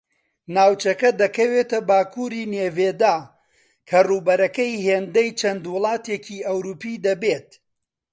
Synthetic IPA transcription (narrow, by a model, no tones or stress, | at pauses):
naːwt͡ʃɐkɐd̪ɐkɐweːt̪ɐbaːkʰuːɾiːneːveːd̪aː | kʰɐruːbɐɾɐkɐjɦeːnd̪ɐjt͡ʃʰɐnd̪wʊlˠɑːt̪ecʰiːʔɐwɾuːpiːd̪ɐbeːt̪